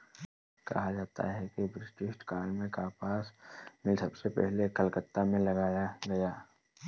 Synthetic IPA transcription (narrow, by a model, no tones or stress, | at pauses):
kɐ̰ɦad͡ʒaːt̪a̰ɦɛkibɾɪsʈɪʃʈkaːlmẽkaːpaːsmɪlsɐbsepɛ̰ɦlekɐlkət̪ːamẽlɐɡaːjaɡɐjaː